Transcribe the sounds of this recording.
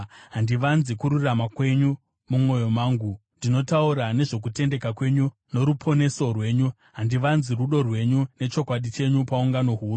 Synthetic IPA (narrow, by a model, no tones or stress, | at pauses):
ɦandiʋanzikuɾuramakwe̞ɲu | mumo̞jo̞maːŋɡundino̞tauɾane̞ʐo̞k̬ute̞nde̞kakwe̞ɲu | no̞ɾupʰo̞ne̞so̞rwe̞ːɲu | ɦandiʋanziruɗo̞rwe̞ɲune̞t͡ʃo̞kwaɗit͡ʃe̞ɲupauŋɡano̞ɦuːru